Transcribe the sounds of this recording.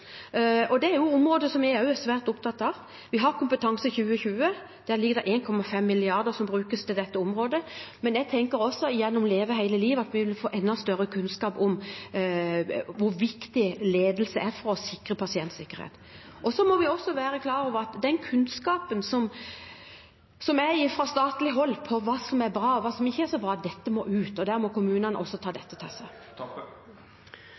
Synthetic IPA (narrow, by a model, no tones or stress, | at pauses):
ɔd̪ɛæɾjʊʊmɾoːd̪əsɔmæɑʉsʋæːɾt̪ʊp̚t̪ʰɑt̪ːɑːʋ | ʋɪɦɑɾkʰʊmpət̪ʰɑŋsəçʉːəçʉːə | d̪̥æːɾlɪɡəɾd̪ɛʔeːnkʰɔmːɑfɛmːɪlɪɑɾd̪əɾsɔmbɾʉːkəst̪ʰɪld̪ɛt̪ːəʊmɾoːd̪əmɛnɛɡ̚t̪ʰɛŋkəɾɔsːɔɪjɛnːʊmleːʋəɦæɪləliːʋəɑt̪ʋɪʋɪlfoːʔɛnːɑst̪œɾəkʰʉnskɑːpʊm | ʋʊɾʋɪkt̪ɪleːd̪əl̩səæɾfɔɾɔsɪkɾəpʰɑsɪɛnt̪sɪkːəɾhḛːt̪ | ʔɔsɔmɔʋɪɔsːɔʋæːɾəkʰlɑːɾɔːʋəɾɑt̪d̪ɛnkʰʉnskɑːpənsɔm | sɔmæfɾɑst̪ɑːt̪lɪɦɔlːpʰɔʋɑːsɔmæɾbɾɑːʋɑːsɔmɪçːəæɾsɔbɾɑːɑt̪̚d̪ɛt̪ːəmɔʔʉːt̪ɔd̪æːɾmɔkʊmʉːnɑnəʔɔsːɔt̪ʰɑːd̪ɛt̪ːət̪ʰɑːsæ